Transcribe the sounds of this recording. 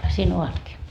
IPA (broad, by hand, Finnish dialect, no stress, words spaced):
siːn oʋɑtkiː